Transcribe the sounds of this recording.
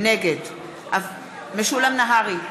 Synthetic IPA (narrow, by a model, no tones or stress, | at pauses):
neɡed | ʔav | meʃulamnaɦaʁi